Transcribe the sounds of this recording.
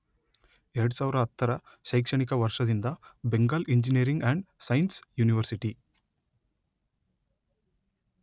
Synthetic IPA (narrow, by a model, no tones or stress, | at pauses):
eɾɐɽusaːʋɾɐɦɐt̪ːɐɾɐ | ʃɐjkʂɐɳik̬ɐʋɐɾʂɐd̪ind̪ɐbeŋɡaːliɲd͡ʒiniɾiŋɡæɳɖsɐjnsjuːniʋɐɾsiʈi